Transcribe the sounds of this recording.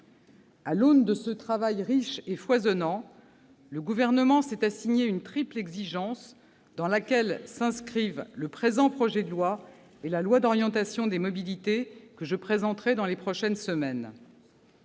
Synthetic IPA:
alond̪əsət̪χavajʁiʃefwazɔnɑ̃ | ləɡuvɛʁnəmɑ̃sɛt̪asiɲeynt̪χiplɛɡziʒɑ̃s | d̪ɑ̃lakʲɛlsɛ̃skχivləpχezɑ̃pχɔʒɛd̪əlwa | elalwad̪ɔʁjɑ̃t̪asjɔ̃d̪emɔbilit̪ekəʒəpχezɑ̃t̪χɛd̪ɑ̃lepχɔʃɛnsəmɛn

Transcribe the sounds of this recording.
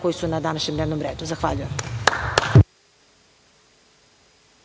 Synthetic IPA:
ko̞jisunad̪anaʃɲed̪neʋnomɾeːd̪uzaxʋaʎujem

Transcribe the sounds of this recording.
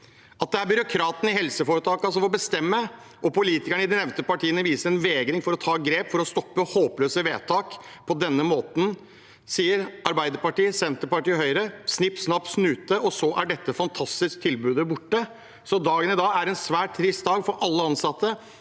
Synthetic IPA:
ɑt̪̚d̪ɛæɾbʏɾʊkʰɾɑːt̪n̩ɪhɛlsəfoːɾət̪ʰɑːkɑs̬ɔfɔbəst̪ɛmːə | ʔɔpʊliːt̪ɪkæɳəɪd̪ɪnɛʋnt̪əpɑʈʰiːənəʋiːsəɾɛnʋeːɡɾɪŋfɔɾɔt̪ʰɑːɡɾeːpfɔɾɔst̪ɔpːəhoːpløːsəʋeːt̪ʰɑːk | pʰɔd̪ɛnːəmoːt̪n̩ | siːəɾɑɾbæɪd̪əɾpɑʈiːsɛnt̪əpɑʈiːɦœʏɾəsnɪpːsnɑːp̚t̪snʉːt̪əʔɔsɔʔæɖɛt̪ːəfɑnt̪ʰɑst̪ɪsk̚t̪ʰɪlbʉːd̪əbʊʈːə | sɔd̪ɑːɡənɪd̪ɑːæɾɛnsʋæːʈ̚t̪ʰɾɪst̪̚d̪ɑːɡfɔɾʔɑlːəɑnsɑt̪ːə

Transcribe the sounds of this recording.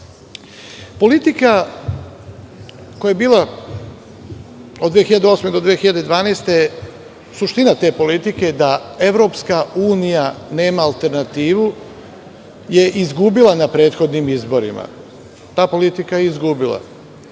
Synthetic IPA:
po̞lit̪ika | kojaebiːlˠa | od̪ːʋexiʎad̪eo̞ːsmed̪o̞d̪ʋiexiʎad̪e̞d̪ʋaːnejst̪e | suʃt̪inat̪e̞ːpo̞lit̪ike̞d̪ae̞ʋɾo̞ːpskauːnijane̞ːmaːlˠt̪e̞ɾnat̪iːʋu | je̞ʔizɡubilˠanapɾe̞ːt̪xo̞d̪nimizbo̞ɾḭma̰ | t̪aːpo̞lit̪ikajeizɡubilˠa̰

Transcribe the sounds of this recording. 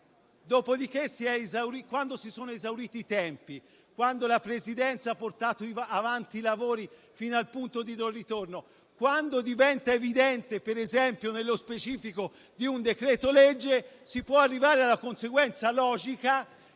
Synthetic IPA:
d̪oːpod̪ik̟esiɛezawɾikwand̪osisoːnoezawɾiːt̪iːt̪ɛmpi | kwand̪olapɾezid̪ɛnt̪saapːort̪aːt̪oiavant̪iːlavoːɾi | finoalpunt̪od̪id̪orit̪orno | kwand̪od̪ivɛnt̪aevid̪ɛnt̪epeɾezɛmpjonelːospet͡ʃiːfiko | d̪iund̪ekɾɛːt̪oled͡ʒːesipwɔarːivaːɾealːakonseɡwɛnt̪salɔːd͡ʒika

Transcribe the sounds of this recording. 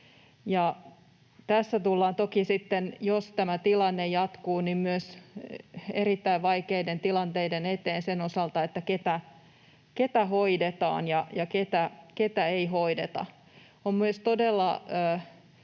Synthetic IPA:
jɑ | t̪æsːæt̪ulːɑːnt̪okisit̪ːenjost̪æmæt̪ilɑnːejɑt̪kuːnimmyøs | eɾit̪ːæiʋʋɑikeident̪ilɑnt̪eidenet̪eːnsenosɑlt̪ɑet̪ːæket̪æ | ket̪æɦoidet̪ɑ̰ːnjɑjɑket̪æket̪æeiɦoidet̪ɑ̰ | ommyøst̪odelːɑøː

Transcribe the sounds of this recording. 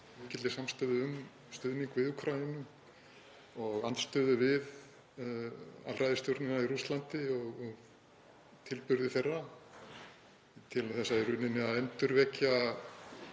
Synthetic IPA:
cɪt̪ɪsamst̪œðʏʏm | st̪ʏðniŋkvɪðukʰɾajɪnʏm | ɔɣant̪st̪œːðʏvɪð | a̰lrajðɪst̪jowɾt̪nɪnaiɾust̪lant̪ɪɔɣɔɣ | t̪ʰɪlpʏɾðɪθɛrːa | t̪ʰɪlθɛsːaɪrʏnɪnɪaðɛnt̪ʏɾvɛcːa

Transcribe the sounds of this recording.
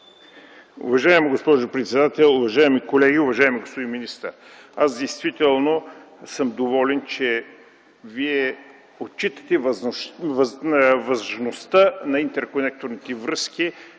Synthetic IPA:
ʊ̰vɐʒaɛmiɡospɔʒʊpɾɛt̪sɛd̪at̪ɛlˠʊvɐʒaɛmikolɛɡiʊvɐʒaɛmiɡospod̪inminist̪ə̰ɾ | asd̪ɛjst̪vit̪ɛlˠno | sɤmd̪ovɔlɛnt͡ʃɛ | viɛ | ot̪t͡ʃit̪ə̥t̪ɛvvvɐzʒnost̪ənɐint̪ɛɾkonɛk̚t̪oɾnit̪ɛvɾɤski

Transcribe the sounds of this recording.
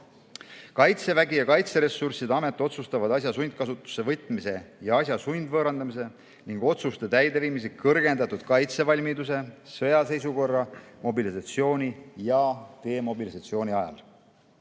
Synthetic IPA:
kɑjt̪se̞væɡijɑkɑjt̪se̞ɾe̞sːursid̪ɑme̞t̪ːˑo̞t̪sust̪ɑvɑd̪̥ɑs̬ʲjɑsund̪̚kɑsut̪ːˑu̥sːe̞vɤt̪ːˑmise̞jɑɑsjɑsujnd̪vɤːɾɑnd̪ɑmis̬e̞ | niŋɡ̥o̞t̪sust̪et̪æjd̪e̞viːmis̬ekɤrɡ̥e̞nd̪ɑt̪ːud̪̥kɑjt̪se̞vɑlʲmid̪us̬e̞sɤjɑse̞js̬uko̞rːɑmo̞bilisɑt̪sio̞ːnʲijɑt̪e̞ːmo̞bilisɑt̪sio̞ːnʲiɑjɑ̰l

